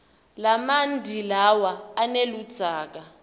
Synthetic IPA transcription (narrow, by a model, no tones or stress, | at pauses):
lamandʱilawaːnelud̥z̥ʱaːk̬a